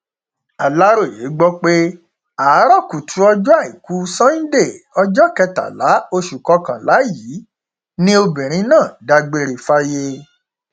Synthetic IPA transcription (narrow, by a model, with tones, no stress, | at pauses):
a˨la˦ɾo˦˨je˨˦ɡ͡bɔ˦k͡pe˦ | a˨˦ɾɔ˦˨ku˨tʰu˨˦ɔ˧d͡ʒu˦a˦˨i˨ku˦sã˦nĩ˦de˦˨ɔ˧d͡ʒɔ˦kɛ˧ta̰˨la˨˦o˧ʃu˨kɔ˧˦kã˨la˨˦ji˨˦ | nĩ˦o˧bĩ˨ɾ̃ĩ˨˧˦nãː˦˨da˧ɡ͡be˧˦ɾe˨fa˦je˧